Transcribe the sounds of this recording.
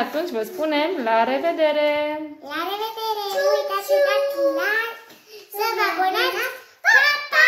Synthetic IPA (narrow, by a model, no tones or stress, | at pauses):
at̪unt͡ʃʲvəspune̞mlaɾe̞ved̪e̞ɾelaɾeved̪eɾet̪asiak̪ina | səvabona | pt̪